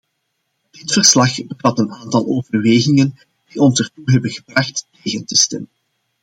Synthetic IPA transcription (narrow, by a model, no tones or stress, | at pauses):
d̥ɪtfərslɑχbəvɑtənaːntɑlˠʔoːvərweːɣɪŋən | d̥iʔɔnsərtuɦɛbənɣəbrɑxtːeːɣəntəstɛmən